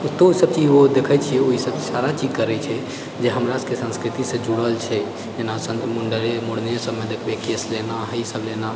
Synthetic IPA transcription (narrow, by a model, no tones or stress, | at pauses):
ut̪ːosəb̚t͡ʃiod̪ekʰɛt͡ʃʰiɛoɦisəb̚t͡ʃisaɾat͡ʃid͡ʒkəɾɛt͡ʃʰɛ | d͡ʒeɦəmɾaskesə̃nskɾit̪isẽd͡ʒuɽəlt͡ʃʰɛ | d͡ʒenasənmuɳɖəɾemoɽ̤nesəbmed̪ekʰbekeslenaɦəisəblena